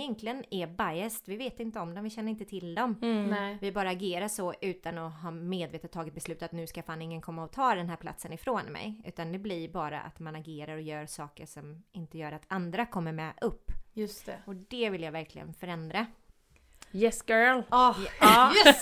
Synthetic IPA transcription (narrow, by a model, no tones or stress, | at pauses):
jɛnklɪənæbajɛst̪vɪveːt̪ɪnt̪əɔmd̪ɔmvɪɕɛnːəɾɪnt̪ət̪ʰɪld̪ɔmvɪbɑːɾaːɡeːɾaʂɔʔʉ̟ːt̪anɔɦɑːmeːd̪veːt̪ət̪ʰːɑːɡɪt̪̚bɛslʉ̟ːt̪at̪nʉːskafaːnɪŋːənkʰɔmːaɔt̪ʰɑːd̪ɛnɦæːɾpla̰t̪sənɪfɾoːnmɛ̰jʉ̟̰ːt̪and̪ɛblɪɾbɑːɾa̰ʔa̰t̪manaɡeːɾaɾɔjœːɾʂɑːkəʂɔmɪnt̪əjœːɾat̪and̪ɾakʰɔmːəɾmɛʔɵpːjɵst̪ɛɔd̪ɛvɪljavæɾkʰlɪ̰ɡə̰nfœɾɛnd̪ɾa | jɛsɡ̥œl